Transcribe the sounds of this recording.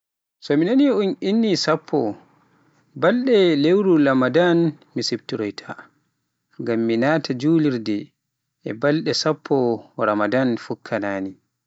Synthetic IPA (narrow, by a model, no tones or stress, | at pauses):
sɔminaniuninːisapʰːɔ | balɗɛlewɾulamadan | misib̚tuɾɔjtʰa | ŋɡamːinaːtʰad͡ʒuːliɾdɛ | ɛbalɗɛsapʰːɔɾamadanfukʰːanaːni